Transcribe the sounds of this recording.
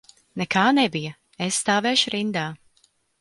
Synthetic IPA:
nɛkaːnɛbijɐ | esːt̪aːvɛːʃʊɾind̪aː

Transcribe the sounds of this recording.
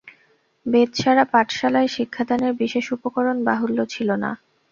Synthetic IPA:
bed̪ʃʰaɾapaʈʰʃalaeʃikʰːad̪ʱaneɾbiʃeʃupokoɾonbaɦulːot͡ɕʰilona̰

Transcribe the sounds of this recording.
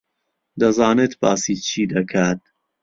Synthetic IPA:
d̪ɐzɑːneːt̪bɑːsit͡ʃʰiːd̪ɐkʰaːt̪̚

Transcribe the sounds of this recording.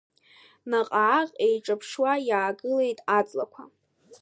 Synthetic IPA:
naqʼaʕaqʲʼejʈ͡ʂʼapʰʂwajaːɡɨle̞jtʼat͡sʼlakʷʰa

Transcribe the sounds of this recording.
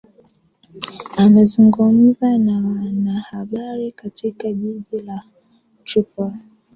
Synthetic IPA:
amɛzuŋɡum̩zanawanahaɓaɾikatʰikaʄiʄila | tɾipɔl

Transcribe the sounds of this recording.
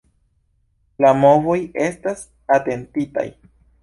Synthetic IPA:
lamo̞vo̞je̞stas | ate̞ntita̰j

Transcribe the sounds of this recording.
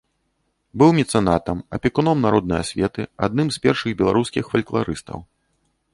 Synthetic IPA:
bɨwmʲit̪sɛnat̪ɐmɐpʲikunɔmnaɾɔd̪nɐjɐ̰sʲvʲɛt̪ɨa̰d̪̚nɨmspʲɛrʂɨɣbʲɛlˠaɾuskʲixfɐlʲklˠa̰ɾɨst̪ɐ̰w

